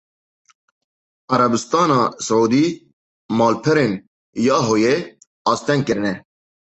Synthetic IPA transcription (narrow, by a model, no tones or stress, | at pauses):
ɑɾɐbɨst̪ɑːnɑːsɨʕuːd̪iː | mɑːlpʰɛɾeːn | jɑːɦoːje | ɑːst̪ɛŋɡ̚kɨɾɨnɛ